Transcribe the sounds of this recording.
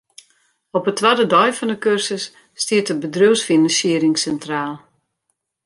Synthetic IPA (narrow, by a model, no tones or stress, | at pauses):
ɔpətːʋadədɔjfɔndəkørsəsː | tiətəbədrøwsfinansiəɾɪŋsɛntraːlˠ